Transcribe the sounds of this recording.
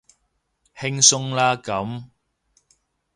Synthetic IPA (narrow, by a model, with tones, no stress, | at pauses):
hɪ˥ŋsʊ˥ŋlaː˥kɐ˨˥m